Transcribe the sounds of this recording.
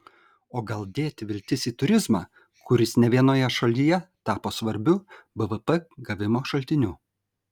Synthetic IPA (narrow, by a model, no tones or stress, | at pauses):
oːɡɐlˠd̪ʲeːt̪ʲʋʲɪlʲt̪ʲɪsiːt̪ʊɾʲɪzmɑ̰ː | kʊɾʲɪsnʲɛʋʲiɛnoːjɛʃɐlʲɪjɛt̪ɑːpoːsʋɐɾʲbʲʊbəʋəpɛɡɐʋʲɪmoːʃɐlʲt̪ʲɪnʲu